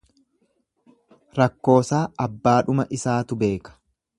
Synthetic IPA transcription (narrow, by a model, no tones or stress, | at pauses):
ɾɐkːo̞ːsaːɐbːaːᶑʊmɐʔɪsaːt̪ʊbe̞ːkɐ̥